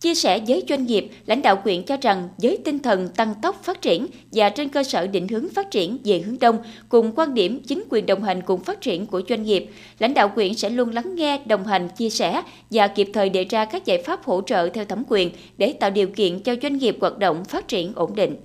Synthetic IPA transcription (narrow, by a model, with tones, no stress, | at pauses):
t͡ɕi˧əsɛ̰˧˩zəː˨˦jzwa˧jŋ̟ŋi˨˩əp̚la̰˧˥jŋ̟ɗa̰ː˧˨wkwḭ˧˩ənt͡ɕɔ˧za˨˩ŋzəː˨˦jt̪ï˧ŋt̪ʰə˨˩nt̪a˧ŋt̪ə˦˥wk͡p̚faː˦˥t̚t͡ɕi˧˩ən | vaː˨˩t͡ɕe˧nkəː˧səː˧˩ɗḭ˧˩ŋ̟hɨ˨˦əŋfaː˦˥t̚t͡ɕi˧˩ənze˨˩hɨ˨˦əŋɗə˧wŋ͡mkʊ˨˩ŋ͡mkwaː˧nɗi˧˩əmt͡ɕï˨˦ŋ̟kwi˨˩ənɗə˨˩wŋ͡mɦa˨˩jŋ̟kʊ˨˩ŋ͡mfaː˦˥t̚t͡ɕi˧˩ənku˧˩əzwa˧jŋ̟ŋi˨˩əp̚ | la̰˧˥jŋ̟ɗa̰ː˧˨wkwi˧˩ənsɛ̰˧˥lu˧ənla˨˦ŋːɛ˧ɗə˨˩wŋ͡mɦa˨˩jŋ̟t͡ɕi˧əsɛ˧˩ | vaː˨˩ki˨˩əp̚t̪ʰəː˨˩jɗe˨˩zaː˧kaː˦˥k̚za̰ː˧˨jfaː˦˥p̚ho̰˧˥t͡ɕə̰ː˧˨t̪ʰɛ˧wt̪ʰə˨˦mkwi˨˩ən | ɗe˧˩t̪a̰ː˧˨wɗi˨˩əwkḭ˧˨ənt͡ɕɔ˧zwa˧jŋ̟ŋi˨˩əp̚ɣwaː˨˩t̚ɗə̰˧˨wŋ͡mfaː˦˥t̚t͡ɕi˧˩ənʔo˧˩nɗḭ̈˧˨ŋ̟